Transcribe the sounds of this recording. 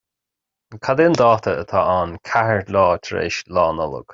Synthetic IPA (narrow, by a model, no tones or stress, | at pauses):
kʰad̪end̪ɑːt̪ʰəət̪ʰaːʔankʰahəɹlɑːt̪ʰɾḛːʃlɑːnɔlə̰ɡ̥